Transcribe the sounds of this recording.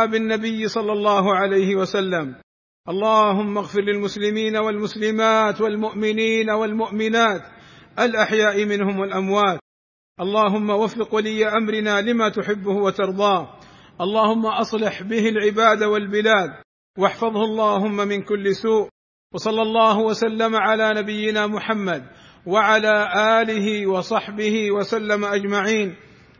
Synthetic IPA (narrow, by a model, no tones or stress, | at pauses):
bɪnːabɪjːsˤɑlːɑlˤːɑːɦʊʕalajhɪwasalːam | ʔɑlˤːɑːɦʊmːaɣfɪɾlɪlmʊslɪmiːnawalmʊslɪmaːt̪walmʊʔmɪniːnawalmʊʔmɪnaːt̪ʔalʔaħjaːʔɪmɪnhʊmwalʔamwaːt̪̚ | ʔɑlˤːɑːɦʊmːawafːɪqwalɪjːaʔamɾɪnaːlɪmat̪ʊħɪbːʊhʊwat̪ɑɾˤd̪ˤɑːh | ʔɑlˤːɑːhʊmːaʔɑsˤlɪħbɪhɪlʕɪbaːd̪awalbɪlaːd̪̚ | wɑħfɑðˤhʊʔɑlˤːɑːɦʊmːamɪnkʊlːɪsuːʔ | wɑsˤɑlːɑlˤːɑːɦʊwasalːamaʕalaːnabɪjːɪnaːmʊħamːad̪ | waʕalaːʔaːlɪɦɪwɑsˤɑħbɪhɪwasalːamaʔad͡ʒmaʕiːn